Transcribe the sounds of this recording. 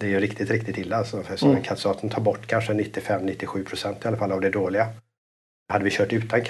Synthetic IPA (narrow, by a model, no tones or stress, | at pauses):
d̪̥ɛːjɵɾɪkt̪ɪt̪ɾɪk̚t̪ɪt̪ʰɪlːalsɔfɛsɔɛnkʰat̪sɑːt̪ʰənt̪ʰɑːɾbɔʈːkʰanʂənɪt̪ːɪfɛmːnɪt̪ːɪɧʉ̟ːpʰɾʊsɛnt̪ɪalːafalːavd̪ɛd̪oːlɪɡa | had̪ːəvɪɕœːʈʉ̟ːt̪ʰankʰ